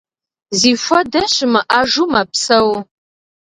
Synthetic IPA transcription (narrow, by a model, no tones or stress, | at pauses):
ziːfʷɐdɐɕɪmɨʔaːʒumapsɐw